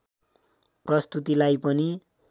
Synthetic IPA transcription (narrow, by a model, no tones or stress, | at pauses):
prʌst̪ut̪ilajpʌni